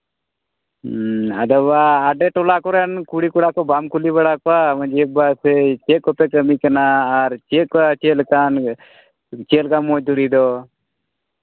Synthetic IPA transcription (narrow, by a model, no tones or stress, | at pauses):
ə̰d̪əʋaːɖeʈolakoɾenkuɽikuɽaːkobamkulibəɽakoaməd͡ʒibaset͡ʃekɔpekəmikənaːɾt͡ʃekat͡ʃeːlkaːn | t͡ʃeːlkamod̪uɾid̪o